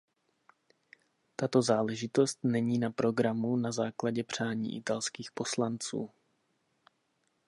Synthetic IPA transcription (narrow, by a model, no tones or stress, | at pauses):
t̪at̪o̞zaːlɛʒɪt̪o̞st̪nɛɲiːnapɾo̞ɡɾamunazaːklaɟɛpr̝̥aːɲḭːʔɪt̪alskiːxpo̞slant͡sṵː